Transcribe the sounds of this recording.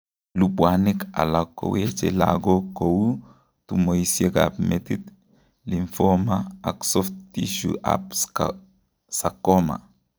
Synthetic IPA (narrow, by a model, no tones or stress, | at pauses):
lupwanika̰lakːo̰wet͡ʃela̰ɡokowu | t̪umoisjeka̰pmet̪it̪ | liɱfɔmaaksɔft̪iʃṵʔa̰ps | sakːoma̰